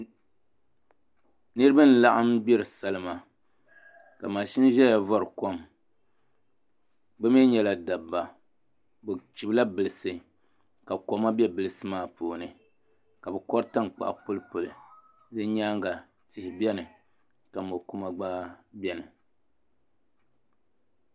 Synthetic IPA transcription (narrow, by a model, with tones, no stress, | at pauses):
nɨ˦ɾɨ˦ba˦n̩˨la˦ʔa˦mbɛ˦ɾɨ˨sa˦lɨ˦ma˨ | ka˨maː˨ʃi˦n˦ʒɛ˦ja˨vɔ˦ɾɨ˨ko˦m | bɛ˦me˦ɲɛ˦la˦da˨bːa˨ | bɛ˨t͡ʃi˨bla˦bɨ˨lɨ˨sɨ˨ | ka˨ko˨ma˦bɛ˦bɨ˨lɨ˨sɨ˦maː˦˨poː˨nɨ˨ | ka˨bɛ˨kɔ˦ɾta˦ŋk͡pa̰˨ʔpʊ˦lɨ˦po˨lɨ̰˨ | dɨ˦ɲaː˦ŋɡa˨ | tɪ˨hɪ˨bɛ˦nɨ˨ | ka˨mo˨ku˦ma˦ɡ͡baː˦bʲɛ˦nɨ˨